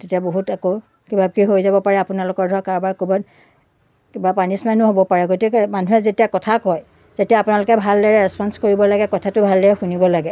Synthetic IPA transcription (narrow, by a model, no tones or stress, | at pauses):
tetiaboɦutako | kibab̚kiɦojzabɔpaɹɛapʊnalʊkɔɹdʱɔkaɹbaɹkubɔn | kibapanismɛnːʊɦobɔpaɹɛɡotikɛmanuɦɛzetijakɔtʰakɔj | tetijaːpʊnalʊkɛbʱaldɔɹɛɹɛspɔnskoɹibɔlaɡɛkɔtʰatʊbʱaldɔɹɛxunibɔlaɡɛ